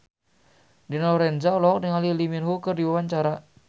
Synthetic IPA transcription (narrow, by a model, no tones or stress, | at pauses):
dinaɔɾɛnd͡ʒaɔlɔk̚dəŋaliliminɦukərdiwawaɲt͡ʃaɾa